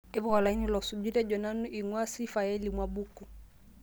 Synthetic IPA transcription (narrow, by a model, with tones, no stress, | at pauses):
ɛ˦βu˨ɣa˨la˨i˦ni˦lɔ˨su˨d͡ʒu˦ɾa˦d͡ʒɔ˨na˦nu˦ʔi˨ŋwa˦si˦fa˨ɛ˦limwa˨bu˦ku˨